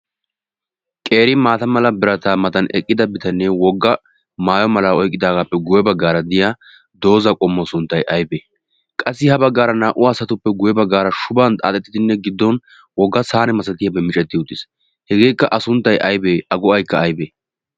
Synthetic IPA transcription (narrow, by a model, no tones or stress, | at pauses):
kʼe̞ːɾɪmaːt̪ɐmɐlɐbɪɾɐt̪aːmɐt̪ɐnɛ̰kʼːɪd̪ɐbɪt̪ɐnːɛwɔɡːɐ | maːjɔmɐlaɔjkʼːɪd̪aːɡaːpːɛɡʊjɛbɐɡːaːɾɐd̪ɪjaː | d̪o̞ːzɐkʼɔmːɔsʊnt̪ːɐjʔɐjbeː | kʼɐsːɪhɐbɐɡːaːɾɐnaːʔʊːsɐt̪ʊpːɛɡʊjɛbɐɡːaːɾɐʃʊbaːnt̪ʼa̰ːt̪ʼːɛt̪ːɪd̪ɪnːɛɡɪd̪ːɔn | wɔɡːɐsaːnɛmɐsɐt̪ɪjɐbɛmɪt͡ʃʼɛt̪ːɪʊt̪ʼːɪs | hɛɡeːkːɐʔɐsʊnt̪ːɐjʔɐjbeːɐɡʊɐjkːɐːjbeː